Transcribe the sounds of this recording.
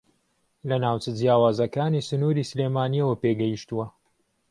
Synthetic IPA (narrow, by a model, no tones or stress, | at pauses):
lɐnaːwt͡ʃɐd͡zjaːwaːzɐkaːniːsɨnuːɾiːsleːmaːniɛwɐpeːɡɐjiʃt̪uwɐ